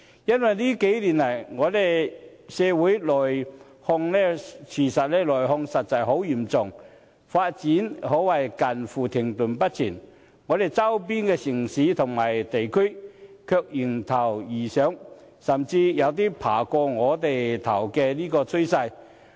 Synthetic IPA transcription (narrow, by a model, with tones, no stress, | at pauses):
jɐ˥nwɐ˨jniː˥ke˨˥jliː˨˩nlɐ˨˩jŋɔː˨˧le˨˩j | sɛː˨˧wuː˨˥jlɔː˨˩j | hɔ˧ŋlɛː˥t͡sʰiː˨˩sɐ˨t̚lɛː˥lɔː˨˩jɦɔ˧ŋsɐ˨t̚t͡sɐ˨˩jɦo˨˥wjiː˨˩mt͡sʊ˨˩ŋ | faː˧t̚t͡siː˨˥nhɔː˨˥wɐ˨˩jkɐ˨nfuː˨t̪ʰɪ˨˩ŋt̪ʊ˨˩npɐ˥t̚t͡sʰḭː˨˩n | ŋɔː˨˧t̪e˨jt͡sɐ˥wp̬iː˥nkɛː˧sɪ˨˩ŋsiː˨˥t̪ʰʊ˨˩ŋmaː˨˩jt̪e˨jkʰɵ˥ɥ | kʰœː˧k̚ji˨˩ŋt̪ʰɐ˨˩wjiː˨˩sœː˨˥ŋ | sɐ˨˩mt͡siː˧jɐ˨˧wt̪̬iː˥pʰa̰ː˨˩kɔː˧ŋɔː˨˧t̪e˨jt̪ʰɐ˨˩wkɛː˧liː˥kɔː˧t͡sʰɵ˥ɥsɐ˧j